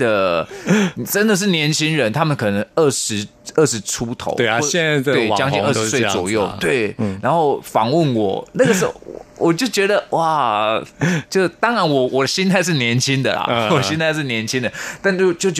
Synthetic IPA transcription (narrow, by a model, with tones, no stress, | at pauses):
d̪ə˨ | ʈ͡ʂə˦˥nd̪ə˨ʂ̬ɻ̩˥˩njɛ˧˥nt͡ɕʰi˥ŋɻə˧˦nt̪ʰa˥mə˨nkʰɤ˨˩nə˧˥ŋə˥˩ʂɻ̩˧˥ | ə˥˩ʂɻ̩˧˦ʈ͡ʂʰu˦˥t̪ʰo̰˧˥˦ʊ˥˨˥ɛ˥˧a˥˧˥we˥˩ɪ˨t͡ɕjɑ˥ŋt͡ɕĩ˥˧ə˥˩ɻ̩˥swe˥˩ɪt͡swɔ̰˨˩jo˥˩ʊt̪we˥˩ɪna˧˥nxo˥˩ʊfɑ˨˩ŋwə˥˩nwɔ̰˨˩na˥˩ɡə˩˥˨wɔ˨˩t͡ɕjo˥˩ʊt͡ɕɥɛ˧˥d̪ə˨wa˥˩ | t͡ɕjo˥˧˩t̪ɑ˥ŋɻa˧˥nwɔ˨˩wɔ˨˩d̪ə˦ɕi˥nt̪ʰa˥˧ɪʂ̬̩˥˩njɛ˧˥nt͡ɕʰi˦˥nd̪ə̰˨lɐ̰˨wɔ˨˩ɕi˥nt̪ʰa˥˧ɪʂ̬ɻ̩˥˩njɛ˧˥nt͡ɕʰi˥nd̪ə˨t̪a˥˧nt͡ɕo˥˩ʊt͡ɕjo˥˩ʊ